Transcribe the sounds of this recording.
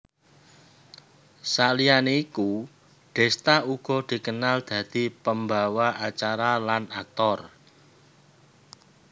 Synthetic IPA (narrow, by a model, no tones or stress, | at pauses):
salijaneiku | ɖ̥ɛ̤st̪auɡ̥ɔ̤d̪̥i̤kənald̪̥ä̤d̪̥i̤pəmbawaʔat͡ʃaɾalanak̚t̪ɔr